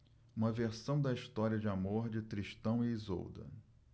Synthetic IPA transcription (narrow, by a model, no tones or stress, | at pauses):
ũmɐveɾsɐ̃w̃d̪ɐiʃt̪ɔɾiɐd͡ʒɪamoɾd͡ʒɪt̪ɾiʃt̪ɐ̃w̃ɪːzo̰wd̪ɐ̰